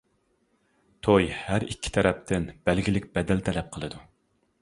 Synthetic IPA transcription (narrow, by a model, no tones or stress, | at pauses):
t̪ʰojhæɾikʲʰːi̥t̪ʰɛɾɛp̚t̪ʰɪnb̥ælɡʲilɪkʲb̥ɛd̪ɛlt̪ʰɛlɛp̚qʰəlˠɨd̪u